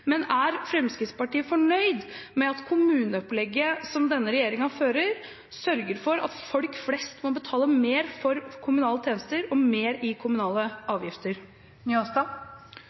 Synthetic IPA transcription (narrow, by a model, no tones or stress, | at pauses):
mɛnæɾfɾɛmskɾɪt̪spɑʈiːəfɔɳœʏd̪mɛɑt̪kʰʊmʉːnəɔplɛɡːəsɔmd̪ɛnːəɾɛjeːɾɪŋɑføːɾəɾ | sœɾɡəɾfɔɾɑ̰t̪fɔlkflɛst̪mɔbət̪ʰɑːləmeːɾfɔɾkʰʊmʉnɑːlət̪ʰeːnəst̪əɾɔmeːɾɪkʰʊmʉnɑːləʔɑːʋjɪft̪əɾ | nyɔst̪ɑ